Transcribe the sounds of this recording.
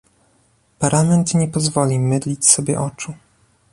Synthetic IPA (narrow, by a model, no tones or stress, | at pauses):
paɾamɛnt̪ɲɛpɔzvɔlʲimɘd̪lʲit͡ɕsɔbʲjɛ̰ʔɔt͡ʂu